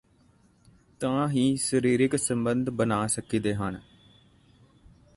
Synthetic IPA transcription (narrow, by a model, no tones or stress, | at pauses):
t̪ãːɦiːsəɾiːɾɪksəmbənd̪ʱbənaːsəkiːd̪eːɦən